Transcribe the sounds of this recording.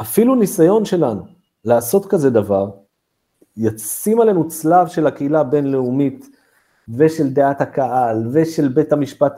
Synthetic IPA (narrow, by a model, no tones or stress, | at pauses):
ʔafilunisajo̞nʃe̞lanu | laːso̞tkaze̞d̪avaʁ | jat͡simale̞nut͡slavʃe̞lakeilabe̞nle̞umit̪ | ve̞ʃe̞ld̪eathakaalveʃe̞lbe̞thamiʃpat̪